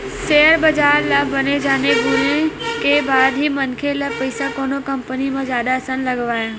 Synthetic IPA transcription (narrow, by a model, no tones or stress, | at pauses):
seːəɾbɐzaːɾlabɐned͡ʒaːneɡʱunekebaːd̪ɦimɐnkʰelapɐɪsakoːnokɐ̃mpənimãzjaːd̪asənlɐɡʋaːɦɪ